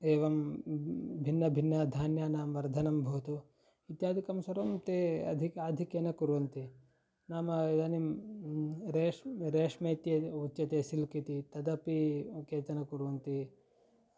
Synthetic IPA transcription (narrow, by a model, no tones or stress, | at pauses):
eːʋɐm | bʱinːɐbʱinːɐd̪ʱaːnjanaːmʋɐɾd̪ʱɐnɐmbʱoːt̪u | it̪jaːd̪ʱikɐmsɐɾɐmt̪eːɐ̰d̪ʱikaːd̪ʱikjɐnɐkuɾʋɐnt̪i | naːmɐid̪ɐnim | ɾeːʂɾeːʂmeːt̪jeut͡ʃːɐt̪eːsilkit̪it̪ɐd̪ɐpikeːt̪ɐnɐkuɾʋɐnt̪i